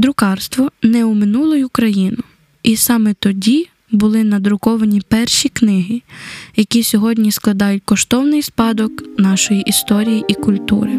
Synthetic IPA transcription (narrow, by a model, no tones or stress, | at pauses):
d̪ɾʊkɑrst̪ʋɔnɛumɪnulˠʊjʊkɾɐjinʊ | ʔisɑmɛt̪ɔdʲi | bʊlˠɪnɐd̪ɾʊkɔʋɐnʲipɛrʃiknɪɦijɐkʲisʲɔɦɔdʲnʲisklˠɐd̪ɑjʊtʲkɔʃt̪ɔwnɪjspɑd̪ɔknɑʃɔjiʔist̪ɔɾʲijiʔikʊlʲt̪ṵɾɪ